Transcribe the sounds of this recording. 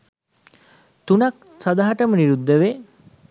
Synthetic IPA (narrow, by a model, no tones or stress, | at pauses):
t̪unɐk̚ | sad̪aɦaʈəməniɾud̪ːəʋe